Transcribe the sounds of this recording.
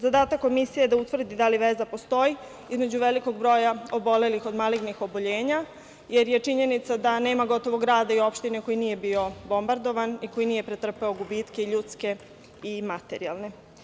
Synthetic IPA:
zad̪aːt̪ako̞misijeed̪aut̪ʋr̩d̪id̪aliʋe̞zapo̞st̪o̞ji | izme̞d͡ʑuʋe̞liko̞ɡ̚bɾo̞ːjaobo̞le̞lixo̞d̪maliɡnixo̞boʎe̞ːɲa | jeɾje̞t͡ʂiɲe̞nit̪sad̪ane̞ːmaɡo̞t̪o̞ʋo̞ɡɾaːd̪aio̞pʃt̪ine̞ko̞jinije̞bio̞bo̞mbaɾd̪o̞ʋaniko̞jinije̞pɾet̪r̩peoɡubit̪ke̞iʎut̪ske̞ | imat̪e̞ɾialˠne̞

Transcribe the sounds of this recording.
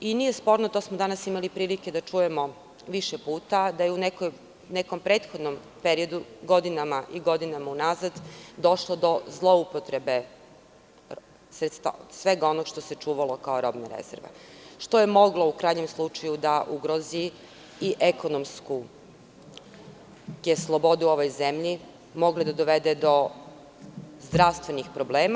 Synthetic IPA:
inije̞spo̞ɾnot̪o̞ːsmod̪anasimalipɾiːlike̞d̪at͡ʃuje̞mo̞ | ʋiʃepuːt̪ad̪ajeunekoj | neko̞mpɾe̞ːt̪xod̪nom | peɾio̞d̪uɡo̞d̪inamaʔiɡo̞d̪inamaunazad̪d̪o̞ʃlod̪o̞zlˠo̞upot̪ɾebe̞ | sɾet̪st̪a̰sʋe̞ɡao̞noɡʃt̪o̞se̞t͡ʃuːʋalˠo̞kaoɾo̞bnaɾḛz̥eɾʋa̰ʃt̪o̞jemo̞ɡlˠo̞ukɾaːjɲe̞mslˠut͡ʃajud̪aʔuɡɾozi | iʔeko̞nomsku | jeslˠobo̞d̪uo̞ʋo̞jzemʎi | mo̞ɡled̪ad̪oʋed̪ed̪o̞ | zd̪ɾaʋst̪ʋe̞nixpɾobleːma

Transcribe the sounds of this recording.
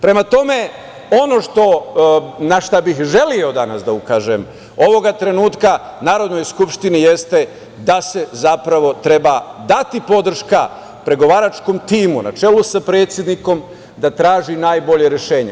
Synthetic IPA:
pɾe̞mat̪o̞me̞ | o̞no̞ʃt̪o̞ | naʃt̪abixʒe̞lio̞d̪anasd̪aukaːʒem | o̞ʋo̞ɡat̪ɾe̞nuːt̪kanaːɾo̞d̪no̞jskupʃt̪inijest̪e̞ | d̪ase̞zapɾaʋo̞t̪ɾe̞bad̪at̪ipo̞d̪r̩ʃka | pɾe̞ɡo̞ʋaːɾat͡ʃko̞mt̪iːmuna̰t͡ʃe̞lusapɾe̞ːt̪sʲjed̪niko̞m | d̪at̪ɾaːʒinaːjbo̞ʎe̞ɾeʃe̞ːɲḛ

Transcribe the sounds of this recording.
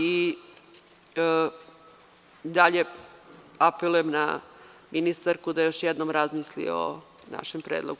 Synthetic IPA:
i | d̪aʎe | apelˠujemna̰mʔinist̪aɾkud̪ajo̞ʃjɛd̪nomɾazmislḭo̰ | na̰ʃempɾeːd̪lˠoɡ

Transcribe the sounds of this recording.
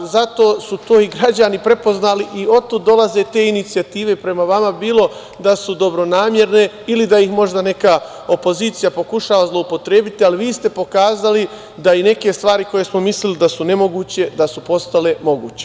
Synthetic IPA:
zat̪o̞ːsut̪o̞ːiɡɾad͡ʑanipɾe̞po̞znaliʔio̞t̪ːud̪d̪o̞lˠaze̞t̪e̞ːinit̪sijat̪iːʋe̞pɾe̞maʋamabiːlˠo̞ | d̪asud̪o̞bɾo̞naːmje̞ɾne̞ | ilid̪ajixmo̞ʒd̪ane̞ka | o̞po̞ziːt̪sijapo̞kuʃaːʋazlˠo̞upo̞t̪ɾeːbit̪ialiʋiːst̪e̞po̞kaːzali | d̪aine̞ke̞st̪ʋaːɾiko̞je̞smo̞mislilid̪asune̞mo̞ɡuːt͡ɕe̞d̪asupo̞st̪ale̞mo̞ɡṵːt͡ɕe̞

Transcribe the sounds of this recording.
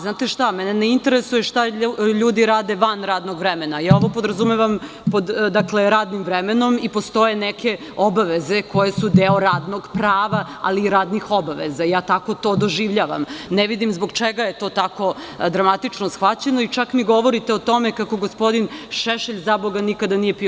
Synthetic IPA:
znaːt̪eʃt̪amɛneneint̪e̞ɾesujeʃt̪aʎuːd̪iɾaːd̪eʋanɾaːd̪noɡʋɾemenajaːo̞ʋo̞po̞d̪ɾazumeʋam | pod̪d̪akle̞ɾaːd̪nimvɾemeno̞mipo̞st̪o̞je̞nekʰe̞ | obaʋeze̞ko̞je̞sud̪eoɾaːd̪noɡpɾaːʋa | a̰liːɾaːd̪nixo̞baʋḛzajaːt̪ako̞t̪od̪oʒiʋʎaːʋa̰mneʋid̪imzboɡt͡ʃeɡaje̞t̪o̞ːt̪ako̞ | d̪ɾamat̪it͡ʃnosxʋat͡ɕenoit͡ʃakmiɡo̞ʋo̞ɾit̪eot̪o̞me̞kako̞ɡospo̞d̪inʃeʃeʎzaboɡanikad̪anije̞pi

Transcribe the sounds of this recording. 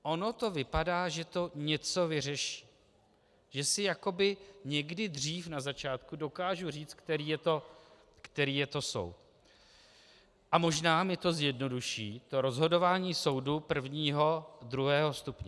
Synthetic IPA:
ʔo̞no̞t̪o̞vɪpadaːʒɛt̪o̞ɲɛt͡so̞vɪr̝ɛʃi̥ː | ʒ̥ɛsɪjako̞bɪɲɛɡdɪd̪r̝iːfnazat͡ʃaːt̪kudo̞kaːʒuriːt͡st̪k̚t̪ɛɾiːjɛt̪o̞ | kt̪ɛɾiːjɛt̪o̞so̞̰wt̪ | ʔamo̞ʒnaːmɪt̪o̞zjɛdno̞duʃiːt̪o̞ɾo̞zɦo̞do̞vaːɲiːso̞wdupr̩vɲiːɦo̞dɾuɦɛːɦo̞st̪upɲɛ

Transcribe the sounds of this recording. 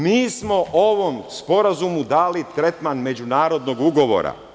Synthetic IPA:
miːsmo̞ʔoʋo̞mspo̞ɾazumud̪aːlit̪ɾe̞t̪manme̞d͡ʑunaːɾo̞d̪no̞ɡuɡo̞ʋo̰ːɾa̰

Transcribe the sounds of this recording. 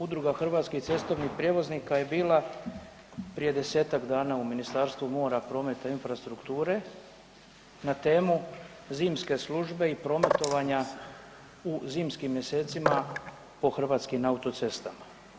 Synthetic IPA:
ud̪ɾuɡaxr̩ʋaːt̪skiht̪se̞st̪o̞ʋnipɾje̞ʋo̞znikaje̞biːlˠa | pɾije̞d̪e̞se̞ːt̪aɡd̪aːnauminist̪aːɾst̪ʋumo̞ːɾapɾo̞me̞t̪ainfɾast̪ɾukt̪uːɾe̞ | nat̪e̞ːmu | ziːmske̞slˠuʒbe̞ipɾo̞me̞t̪o̞ʋaɲa | uziːmskimːje̞se̞ːt̪sima | po̞xr̩ʋaːt̪skimaut̪o̞t̪se̞st̪ama

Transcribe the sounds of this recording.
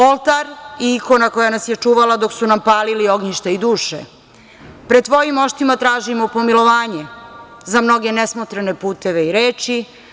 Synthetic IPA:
o̞lˠt̪aɾiiko̞nakojanasjet͡ʃuːʋalad̪o̞ksunampaːlilio̞ɡɲiʃt̪aid̪uːʃḛ | pɾed̪t̪ʋo̞jimo̞ʃt̪imat̪ɾaːʒimopo̞milˠo̞ʋaːɲe | zamno̞ɡe̞nesmot̪ɾane̞puːt̪e̞ʋe̞iɾeːt͡ʃi

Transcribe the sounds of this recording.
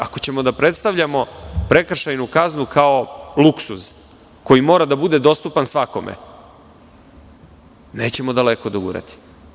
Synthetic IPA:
akot͡ɕe̞mo̞d̪apɾet̪st̪aʋʎamo̞pɾe̞kr̩ʃajnukaznukao̞luksuz | ko̞jimo̞ɾad̪abud̪e̞d̪o̞st̪upansʋako̞mʔḛ | ne̞ːt͡ɕe̞mod̪aleko̞d̪oɡṵɾa̰t̪i̥

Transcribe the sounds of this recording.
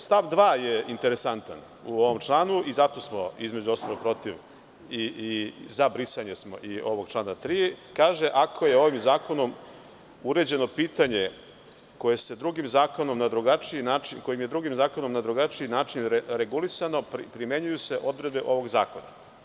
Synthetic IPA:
st̪aʋd̪ʋaːje̞int̪e̞ɾe̞sant̪a̰n | uo̞ʋomt͡ʃlˠaːnuʔizat̪o̞smo̞izme̞d͡ʑuosnoʋoɡ̚pɾo̞t̪iʋ | izabɾisaɲesmo̞̰ʔio̞ʋoɡt͡ʃlˠaːnat̪ɾiːkaːʒe̞ʔakʰoje̞o̞ʋimzaːko̞no̞m | uɾe̞d͡ʑe̞no̞piːt̪aɲe̞ | ko̞je̞se̞d̪ɾuɡimzaːko̞no̞mnad̪ɾuɡat͡ʃiinaːt͡ʃinko̞jimjed̪ɾuɡimzaːko̞no̞mnad̪ɾuɡat͡ʃiinaːt͡ʃinɾeɾe̞ɡulisano̞ppɾime̞ɲujuse̞ʔo̞d̪ɾe̞d̪̚beʔo̞ʋo̞ɡza̰ːko̞na̰

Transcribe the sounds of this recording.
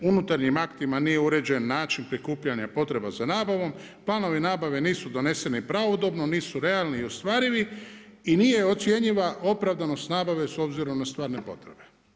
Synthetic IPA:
unut̪aɾɲimakt̪imanije̞uɾe̞d͡ʑe̞nːaːt͡ʃinpɾikuːpʎaɲapo̞t̪ɾe̞bazanaːbaʋo̞m | plˠaːno̞ʋinaːbaʋe̞niːsud̪o̞ne̞se̞nipɾaʋo̞d̪o̞bno̞niːsuɾe̞alˠniːost̪ʋaːɾiʋi | inije̞jo̞t̪sje̞ɲiʋao̞pɾaʋd̪ano̞st̪naːbaʋe̞so̞bziɾo̞mnast̪ʋaːɾne̞po̞̰t̪ɾe̞be̞̥

